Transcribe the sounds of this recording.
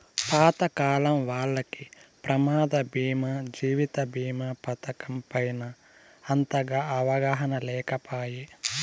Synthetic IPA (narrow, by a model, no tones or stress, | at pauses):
paːt̪ɐkaːlɐmʋaːlːɐkipɾɐmaːd̪ɐbiːmɐd͡ʒiːʋit̪ɐbiːmɐpɐt̪ɐkɐmpɐjnɐː | nt̪ɐɡɐɐʋɐɡɐɦɐnɐlɛːkɐpaːji